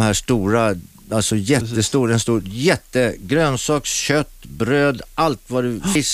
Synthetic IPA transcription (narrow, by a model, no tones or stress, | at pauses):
mhæːʂt̪uːɾa | alt̪sɔjɛt̪ːəst̪uːɾɛnst̪uːjɛt̪ːəɡɾøːnsɑːksɕœt̪ːbɾøːd̪ʔalt̪vadɵfɪs